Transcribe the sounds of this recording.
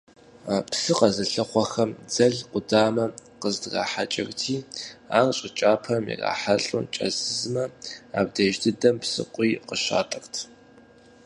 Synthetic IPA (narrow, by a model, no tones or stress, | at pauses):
apsɨqɐzɐɬɐχʷɔxɐmd͡zɐɮqʷʊdaːmɐqəzdra̰ːħat͡ʃʼɐ̰ɣtʰiːa̰ːŋɕʼɪt͡ʃʼaːpʰɐmḭra̰ːħaɬʼṵnt͡ʃʼɐ̰zɨzmɐaːb̚deʒdɨdɐmpsɨ̰qʷʼiːqəʃa̰ːtʼɨxtʰ